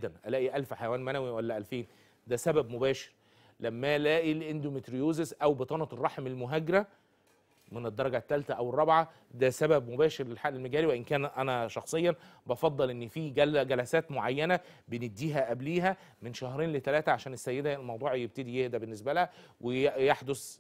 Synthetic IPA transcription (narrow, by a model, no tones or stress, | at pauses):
d̪ːænʔælæːʔiʔælfħajwæːnmænæwiwælːæʔælfeːn | d̪æsæbæbmobæːʃe̥ɾ | læmːælæːʔilʔend̪omet̪ɾijoːzesʔæwbet̪ˤɑːnɑt̪erˤːɑħmelmoɦæːɡeɾæ | mened̪ːɑɾˤɑɡæt̪ːælt̪æʔæwerˤːɑbʕa | d̪æsæbæbmobæːʃeɾlelħaʔlelmæɡæːliweʔɪnkæːnʔænæʃɑxsˤejːɑbɑfɑd̪ˤːɑlʔenːfiːɡæɡælæsæːt̪moʕajːænæ | bened̪ːiːɦæʔæbliːɦæ | menʃæhɾeːnlet̪ælæːt̪æʕaʃæːnesːæjːed̪ælmɑwd̪ˤuːʕjeb̚t̪ed̪ijehd̪æbenːes̬bælæhæ | wʔejeħd̪os